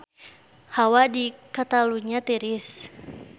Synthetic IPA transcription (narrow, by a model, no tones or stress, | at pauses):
hawadikat̪aluɲat̪eɾɪs